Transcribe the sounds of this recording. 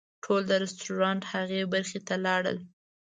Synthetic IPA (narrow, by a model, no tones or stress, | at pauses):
ʈʰold̪əɾɪstuɾɑnʈhaɣebaɾxet̪alɑɽə̰l